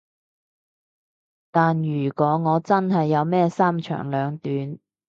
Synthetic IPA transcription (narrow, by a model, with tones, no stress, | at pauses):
t̪aː˨njyː˨˩kɔː˨˥ŋɔː˨˧t͡sɐ˥nɦɐ˨jːɐ˨˧wmɛː˥saː˥mt͡ʃʰœ̰ː˨˩ŋlœː˨˧ŋt̪yː˨˥n